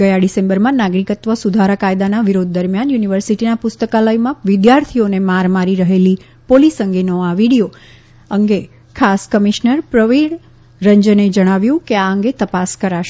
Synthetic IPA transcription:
ɡəjaɖisẽmbəɾmãnaɡɾikət̪ʋəsud̪ʱaɾəkajd̪anaʋiɾod̪̚ʱːəɾmjanjuniʋəɾsiʈinapʊst̪əkaləjmãʋid̪jaɾt̪ʰionemaɾmaɾiɾəɦeli | polisəŋɡenoaʋiɽijo | əŋɡe | kʰaskəmiʃnəɾpɾəʋiɭ | ɾəɲd͡ʒəned͡ʒəɽ̃aʋjũkeaəŋɡet̪əpaskəɾaʃ

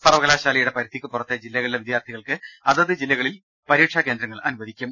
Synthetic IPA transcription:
sɐrʋɐɣɐlaːɕaːlɐjuɽe̞pɐɾɐt̪ːikʲːɨpurɐt̪ːed͡ʑilːɐɣɐɭileʋid̪jaːrt̪ʰiɣɐɭkɨɐðɐðɨd͡ʑilːɐɣɐɭil | pɐɾiːʈʂɐkeːnd̪ɾɐŋːɐɭʔɐnubɐðikʲːum

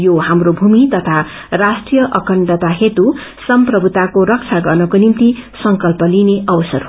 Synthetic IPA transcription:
johamrobʱumit̪ʌt̪ʰa | rasʈrijʌʔʌkʌɳɖʌt̪aɦet̪u | sʌmprʌbʱut̪akoɾʌk̚t͡ʃʰaɡʌrnʌkonimt̪isʌŋkʌlpʌlineʔʌwʌsʌrɦ

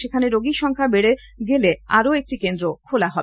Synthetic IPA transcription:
ekʰaneɾoɡiʃɔŋkʰabeɽe | ɡeleaɾoek̚ʈikend̪ɾokʰolaɦɔ

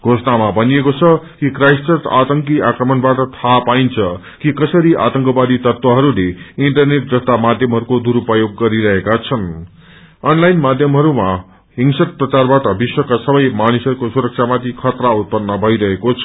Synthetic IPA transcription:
ɡʱosʌnamabʱʌniekot͡sʰʌkikrajssʌrt̪at̪ʌŋkiakrʌmʌnbaʈʌt̪ʰapaint͡sʰʌ | kikʌsʌɾiʔa̰t̪ʌŋkʌbad̪it̪ʌrt̪wʌɦʌɾuleiɳʈʌrneʈ̚d̪rʌst̪amad̪ʱjʌmɦʌɾukod̪uɾupʌjoɡːʌɾiɾʌɦekat͡sʰʌn | ʌnlajnmad̪ʱjʌmɦʌɾuma | ɦiŋsʌk̚prʌt͡sarbaʈʌbiswʌkasʌbʌjmanisʌɾukosuɾʌk̚sʰamat̪ikʰʌt̪raut̪̚pʌnːʌbʱʌjɾʌɦekot͡sʰʌ̥

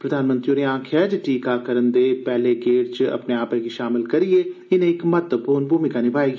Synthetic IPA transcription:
pɾəd̪ʱaːnmə̃nt̪ɾijoːɾiãːkʰɛd͡ʒʈiːkakəɾənd̪eːpɛːleɡeːʈt͡ʃɐ̰pneaːpẽɡiʃaːmɪlkɐɾieɪnẽːɪkmɐt̪əpuːɾnbʱuːmɪkanibʱaːi

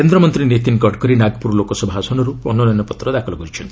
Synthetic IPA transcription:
ikend̪ɾɔmɔnt̪ɾinet̪inkɔɖkɔɾinaɡpuɾɔlokɔsɔbʱasɔnɔɾuɔnːɔnɔnɔpɔt̪ɾɔd̪akʰɔlɔkɔɾit͡ʃʰɔnt̪ʰii

